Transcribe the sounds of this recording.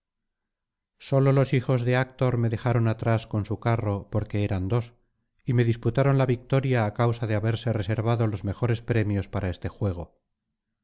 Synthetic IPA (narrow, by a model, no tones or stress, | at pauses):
so̞lo̞lo̞sixo̞zðe̞ak̚t̪o̞ɾme̞ðe̞xaɾo̞nat̪ɾasko̞nsukaro̞po̞ɾke̞eɾand̪o̞s | ime̞ðisput̪aɾo̞nlaβik̚t̪o̞ɾjaːkawsaðeaβe̞ɾse̞re̞se̞ɾβaðo̞lo̞zme̞xo̞ɾe̞spɾe̞mjo̞spaɾʔae̞st̪e̞xwe̞ɣ̞o̞